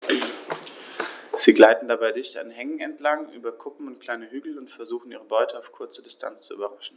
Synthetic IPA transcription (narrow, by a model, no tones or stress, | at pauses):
z̥iːɡlaɪtn̩dabaɪdɪçta̰nɦɛŋŋ̩ɛntlaŋʔy̰ːbɐkʰʊpm̩ʊntkl̥aɪnəɦyːɡl̩ʊntfɛɐzuːxn̩ʔiːʁəbɔʏtʰəaʊfkʰʊɐt͡sədɪstʰa̰nt͡st͡suy̰bɐʁaʃn̩